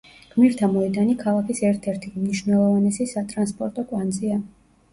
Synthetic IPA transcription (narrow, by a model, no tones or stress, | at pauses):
ɡ̥miɾt̪ʰamɔɛd̪anikʰalˠakisɛɾt̪ʰɛɾt̪ʰimniʃnɛlˠɔvanɛsisat̪ʼɾanspʼɔɾt̪ʼɔkʼwand̪zia